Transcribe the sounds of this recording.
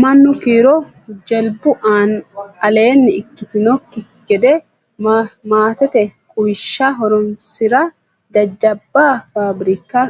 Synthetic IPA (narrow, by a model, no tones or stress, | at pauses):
mɐnːʊkiːɾɔ | d͡ʒɛlbʊʔaːnɐle̞ːnːɪɪkːɪt̪ɪnɔkːɪ | ɡ̥ɛd̪ɛ | maːt̪ɛt̪ɛkʼʊjɪʃːaːɦɔɾɔnsɪɾɐ | d͡ʒ̪ɐd͡ʒːɐbːaːfaːbɾɪkːaː